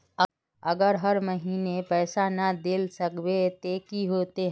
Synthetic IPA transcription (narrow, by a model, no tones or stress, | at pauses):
ə | əɡəɾɦəɾməɦiːnepɛːsanad̪eːlsəkbet̪eːkiɦoːt̪e